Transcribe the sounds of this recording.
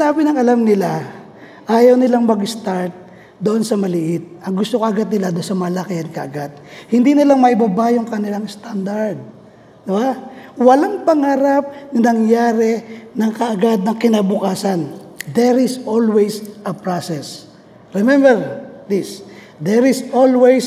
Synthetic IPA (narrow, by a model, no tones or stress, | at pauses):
aːbɪnɐŋɐlamnɪla | ʔaːjɐwnɪlaŋmɐɡɪst̪aɹt̪̚ | d̪oʔo̞nsɐmɐlɪʔɪt̪̚ʔɐŋɡʊst̪okɐʔɐɡat̪̚nɪlad̪onsɐmɐlakɪɐnkɐ̰ʔɐɡat̪̚hɪnd̪inɪlaŋmɐʔɪbabajoŋkɐnɪlaŋst̪and̪ɐɹd̪̚ | d̪ɪbawɐlaŋpɐŋaːɾɐap̚nɐnɐŋjaːɾɛnɐŋkɐʔɐɡad̪̚nɐŋkɪnabʊkaːsɐn | d̪ɛɾɪsʔolwɛjsʔɐpɹasɛs | ɹɛmɛmbɛɹd̪ɪs | d̪ɛɾɪsʔolwɛjs